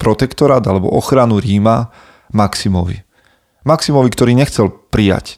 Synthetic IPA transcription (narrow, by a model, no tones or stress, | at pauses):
pɾɔt̪ɛkt̪ɔɾaːd̪alɛbɔ̰ʔɔxɾanuɾiːma | maksimɔ̰ʋḭ | maksimɔʋikt̪ɔɾiːɲɛxt͡sɛlpɾija̰c